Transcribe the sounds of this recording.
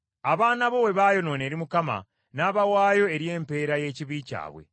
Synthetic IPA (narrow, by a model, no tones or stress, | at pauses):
aβaːnaβo̞we̞βaːjo̞no̞ːneːɾimukama̰ | naːβawaːjo̞e̞ɾje̞ːmpe̞ːɾaje̞ciβica̰ːβwḛ